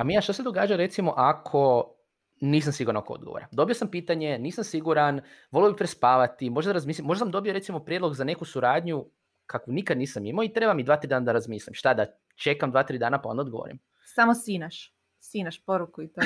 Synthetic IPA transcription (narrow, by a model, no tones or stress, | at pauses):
amijaʃt̪osed̪o̞ɡaːd͡ʒaɾe̞t̪simo̞ʔakʰo̞ | niːs̬amsiɡuɾanakood̪̚ɡo̰ʋo̰ːɾad̪o̞bijo̞sampiːt̪aɲe̞niːsamsiɡuɾan | ʋoliobipɾespaːʋat̪imo̞ʒd̪ad̪aɾazmiːslimo̞ʒd̪as̬amd̪o̞bijoɾe̞t̪simo̞pɾjed̪lo̞ɡzane̞kusuɾaːd̪ɲu | kʰakunikad̪niːsamimoit̪ɾe̞bamid̪ʋaːt̪ɾiːd̪aːnad̪aɾazmiːslʲimʃt̪ad̪a | t͡ʃe̞kamd̪ʋaːt̪ɾiːd̪aːnapao̞nd̪aod̪ɡoo̰ɾḭm | samosinaʃ | sinaʃpoɾukuit̪o